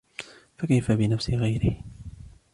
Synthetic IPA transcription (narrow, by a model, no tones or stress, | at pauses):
fakajfabɪnafsɪɣajɾɪh